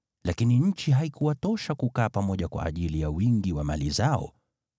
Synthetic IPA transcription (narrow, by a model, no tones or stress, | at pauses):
lakiniɲ̩t͡ʃiɦaikuwatɔʃakukaːpamɔʄakwa̰ʔːʄilijawiŋɡiwamalizaɔ̰